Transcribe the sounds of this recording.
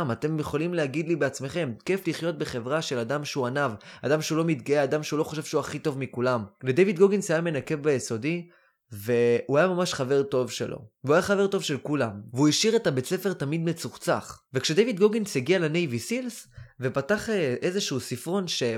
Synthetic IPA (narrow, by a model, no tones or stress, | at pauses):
mat̪e̞mjeχo̞limleaɡid̪libeat͡sme̞χe̞mke̞fliχjo̞t̪̚beχe̞vʁaʃe̞lad̪amʃeuanavad̪amʃeulo̞mit̪ɡaead̪amʃeulo̞χoʃe̞v̥ʃeuaχit̪o̞vmikulamled̪ejvid̪ɡoɡinsajame̞nake̞vbajeso̞di | ve̞uajamamaʃχave̞ʁto̞vʃe̞̰lʔo̰veuajaχave̞ʁto̞vʃe̞lkulamveuiʃiʁetabet͡se̞fe̞ʁtamid̪me̞t͡suʁt͡sa̰χvekʃed̪ejvid̪ɡoɡinseɡialene̞jvisilsve̞pataχeʔezeʃuusifʁo̞nʃe̞